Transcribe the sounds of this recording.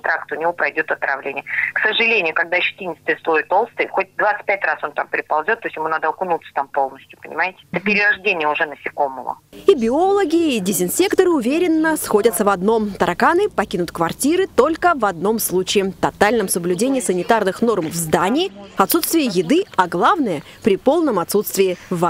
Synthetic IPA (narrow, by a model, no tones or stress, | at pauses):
t̪ɾakt̪ʊnʲɪvo̞pɾɐjdʲo̞t̪ɐt̪ɾɐ̰vlʲenʲɪjəksəʐɨlʲenʲɪjʊkɐɡd̪aɕɪ̥tʲinʲɪt̪st̪ɨjəslˠoɪt̪o̞lˠst̪ɨjxot̚ʲd̪vat̪sɨ̥t̚ʲpʲætʲraso̞nt̪ampʲɪɾʲɪpɐlˠzʲot̪ːosʲjɪmunad̪əɐkʊnut̪sə̥t̪ampo̞lˠnəsʲtʲjʊ̥pənʲɪ̰maɪtʲɪ̥ɛt̪əpʲɪɾʲɪraʐdʲenʲɪjəʊʐɛnəsʲɪkomːə̰və̰ibʲɪo̞lˠəɡʲɪːdʲɪzʲɪnsʲekt̪əɾɨʊvʲeɾʲɪnːəsxo̞dʲət̪səvɐd̪no̞mt̪əɾɐkanɨpɐkʲinʊt̪kvɐrtʲiɾɨt̪o̞lʲkəvɐd̪no̞mslˠut͡ɕɪːt̪ɐt̪alʲnəmsəblʲʉdʲenʲɪːɪsənʲɪt̪arnɨxno̞rmvzd̪anʲɪɪɐt̪sut̪st̪vʲɪjəjɪd̪ɨɐɡlˠavnəjə | pɾʲɪpo̞lˠnəmɐt̪sut̪st̪vʲɪɪva